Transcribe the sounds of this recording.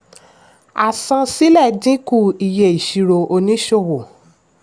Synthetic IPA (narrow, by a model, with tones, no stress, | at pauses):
a˨sã˧si˦lɛ˦˨dĩ˦ku˦˨i˨je˨i˨ʃi˧˨ɾo˧ʔo˧nĩ˦ʃo˦˧˨wo˨